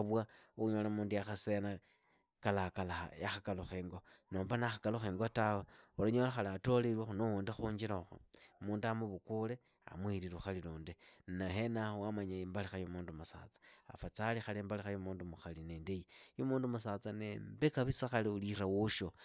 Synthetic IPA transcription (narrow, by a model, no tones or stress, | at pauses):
βwauuɲolamuːndujaxasena | kalakala̰jaxakaloxeːŋɡonoːmbanaxakaloxeːŋɡotaweuloɲolaxaliatoliɾwaxunouːndixuːɲd͡ʒiɾaxo̰muːndamuβukule | a̰mwiɾiɾuxaliluːndinahenahowamaɲaimbalixajomuːndumusa̰t͡sḁa̰fat͡salixaliːmbalixajomuːndumuxalinendejijomuːndumusat͡sanembekaβisaxaliulirawuʃo